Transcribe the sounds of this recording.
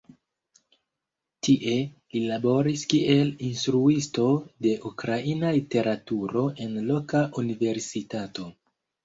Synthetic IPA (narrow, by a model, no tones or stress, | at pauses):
tiʔe̞lilabo̞ɾiskiʔe̞linstɾuisto̞de̞ʔukɾainalite̞ɾatuɾo̞ʔe̞nlo̞kaʔunive̞ɾsitato̞